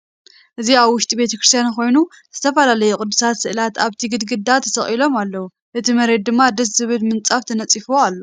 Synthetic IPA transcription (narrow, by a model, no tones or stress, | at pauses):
ʔɨziaβwʊʃt̪ʼibe̞t̪ʰɐkɾɨst̪ʰjankʰo̞jnu | z̥ɨt̪ʰɐfɐlalɐjukʼʊd̪ːusat̪sɨʔlat̪aβt̪ʰiɡɨd̪ɡɨd̪ːat̪ʰɐsɐχʼilo̞malːɐwu | ʔɨt̪ʰimɐɾe̞d̪̚d̪ɨmːad̪ɐs̬zɨβɨlmɨnt͡sʼaft̪ʰɐnɐt͡sʼifoalːo